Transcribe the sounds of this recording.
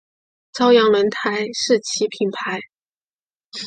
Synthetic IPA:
t͡sɑ˥ʊjɑ˧˥ŋlwə˧˥nt̪ʰa˧˥ɪʂɻ̩˥˩t͡ɕʰi˧˥pʰi˨˩npʰa˧˥ɪ

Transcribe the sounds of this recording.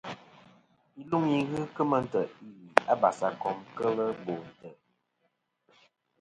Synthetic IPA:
i˦lu˦ŋi˦ɣɨ˦kə˦mə˦n̩˦tə˨i˦li˨a˦ba˨sa˨kɔ˨˦mkə˦lə˦bo˨n̩˨tə˨

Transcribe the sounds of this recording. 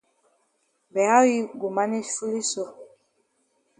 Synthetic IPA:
bɛ˨a˦wi˦ɡu˨ma˦ni˦fu˦li˦so˨

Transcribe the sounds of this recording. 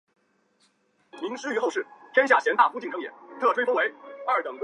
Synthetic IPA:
mi˧˥ŋʂɻ̩˥y˧˥xo˥˧ʊʂɻ̩˥˩t̪ʰjɛ˥nɕ̬ja˥˩ɕjɛ˧˥nt̪a˥˩fu˥t͡ɕi˥˩ŋʈ͡ʂʰɤ˥jɛ̰˨˩˦t̪ʰɤ˥˩ʈ͡ʂʰwe˥ɪfɤ˥ŋwe˧˥ɪɐ˞˥˩t̪ɤ˨˩ŋkw

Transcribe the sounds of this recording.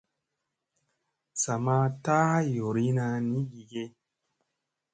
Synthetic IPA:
sa˨ma˦ta˦jo˨ɾi˦na˧ni˦ɡi˨ɡe˦

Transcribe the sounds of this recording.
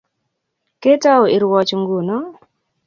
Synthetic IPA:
ke˦ta˦o˨i˨ɾwɔ˨t͡ʃŋɡu˨nɔ˦

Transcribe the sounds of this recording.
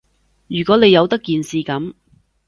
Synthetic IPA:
jyː˨˩kʷɔː˨˥ne˨˧jɐ˨˧wt̪ɐ˥kːiː˨nsiː˨kɐ˨˥m

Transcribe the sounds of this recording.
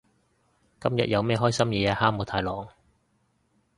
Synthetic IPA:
kɐ˥mjɐ̰˨t̚jɐ˨˧wmɛː˥˧ɦɔː˥jsɐ˥mjɛː˨˧a˧haː˥mo˨˧t̪ʰaː˨˧˥jlɔː˨˩ŋ

